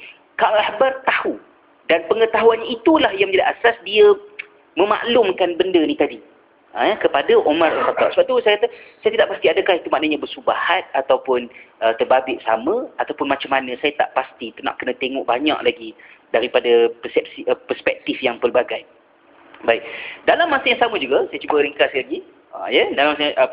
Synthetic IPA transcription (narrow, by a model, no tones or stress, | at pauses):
kaahbart̪ahu | danpəŋət̪aɦuanɲait̪ulahjaŋmə̃ɲd͡ʒadiʔasasdiə | mə̃ma̰ʔlʊmkanbəndənit̪adi | ʔəakəpadaʔomaralxat̪ːɑʔsəbap̚t̪usajakat̪asajat̪idaʔpast̪iadəkahit̪umaʔnaɲãbəsubahat̪̚at̪awpʊnʔət̪ərbabɪʔsa̰mə̃at̪awpʊnmat͡ʃamːanə̃sajat̪a̰ʔpast̪it̪una̰ʔkənə̃t̪eŋɔ̰ʔbaɲa̰ʔlaɡidaɾipadapəsɛp̚sipərspɛk̚t̪ifjaŋpərbaɡaj | baɪʔdalamːasajaŋsaməd͡ʒuɡasajat͡ʃubəɾəŋkasaɡi | a̰jədalamasəjaʔ